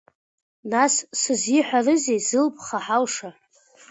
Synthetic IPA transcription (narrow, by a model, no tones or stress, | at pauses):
nassɨzjɪħʷarɨzejzɨlpʼχaħalʂa